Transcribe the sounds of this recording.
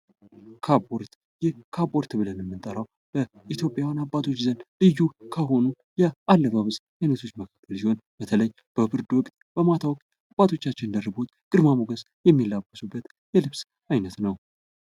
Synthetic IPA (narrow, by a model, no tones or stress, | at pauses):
kʰaboɾt̪ | jɛhkʰabo̞ɾt̪ʰɨβɨlənɛmːɨnt̪ʼəɾaw | b̥ə | it̪ʰjo̞pʼːjawanabːat̪ʰo̞t͡ʃːzənlɨjukʰəɦo̞nu | jɛʔalːəβaβɨs | ajnət̪ʰo̞t͡ʃːməkʰakʰːəlsiho̞nb̥ət̪ʰələjː | b̥əbɨɾd̪wɔkʼt̪̚ʼ | b̥əmat̪ʰawɔkʼt̪ | abːat̪ʰo̞t͡ʃːat͡ʃːɪnnd̪ərɨbut̪kʼɨɾmamoɡəs | jɛmːilːabːəsubːət̪ | jɛlɨβs | ajnət̪nəw